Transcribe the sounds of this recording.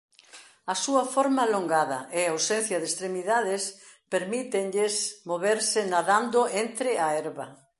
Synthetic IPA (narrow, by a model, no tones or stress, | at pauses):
ɐsuɐfoɾmaloŋɡaðɐʔeawsen̟θjɐðest̪ɾemiðaðɪs | peɾmit̪eɲʎɪsmoβeɾsɪnaðand̪ʊent̪ɾɪaɛɾβɐ